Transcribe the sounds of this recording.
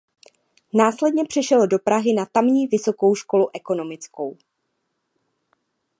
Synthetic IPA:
naːslɛdɲɛpr̝̥ɛʃɛlodo̞pɾaɦɪnat̪amɲiːvɪso̞ko̞wʃko̞luʔɛko̞no̞mɪt͡sko̞w

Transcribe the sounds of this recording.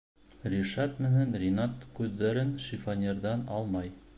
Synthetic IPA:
rʲiʃɑt̪mɘ̆nɘnrʲinɑt̪kʉðːæɾɘnʃifanʲeɾðɑnɑlˠmɑj

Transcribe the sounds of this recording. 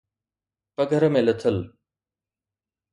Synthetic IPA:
pɐɡʱəɾmẽlɪt̪ʰəl

